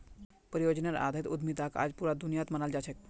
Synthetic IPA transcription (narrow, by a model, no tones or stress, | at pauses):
pəɾijod͡ʒnaɾa̰d̪ʱait̪ud̪mit̪aka̰ːd͡ʒpuɾad̪unijat̪mənald͡ʒat͡ʃʰek̚